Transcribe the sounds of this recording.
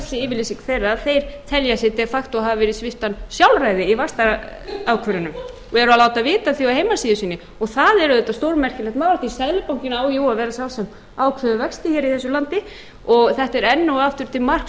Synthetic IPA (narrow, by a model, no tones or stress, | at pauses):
sɪɪːvɪlisiŋkθejrːaaθejɾ̥t̪ʰɛljasɛt̪ɛfakt̪ɔaɦavavɛːɾɪsvɪht̪ansjawlrajðɪivast̪aaːwkʰvœɾʏnʏm | ɔɛɾʏalaːwt̪avɪːt̪aθjoahejmasiːðɪsiːnɪ | ɔɣθaðɛɾʏðɛht̪ːast̪oːwɾmɛr̥cɪlɛht̪maːwlaht̪isɛðlɪpawŋcɪnaaːwjoːwaðvɛːɾasjawlsɛm | aːwkʰvœðʏvɛkst̪ɪçɛɾiθɛsːʏlant̪ɪ | ɔɣθɛht̪ɛɾɛnːuaft̪ʏɾʏt̪ʰɪlmar̥k